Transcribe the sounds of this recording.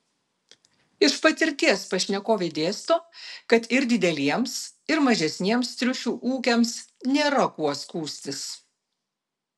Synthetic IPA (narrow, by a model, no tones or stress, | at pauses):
ɪʃpɐt̪ʲɪɾʲt̪ʲiɛspɐʃʲnʲɛkoːʋʲed̪ʲeːst̪oːkɐt̪ɪɾd̪ʲɪd̪ʲɛlʲiɛmsɪɾmɐʒʲɛsʲnʲiɛmst̪ʲɾʲʊʃʲuːʔuːkʲɛmsnʲeːɾɐkuɔskuːsʲt̪ʲɪs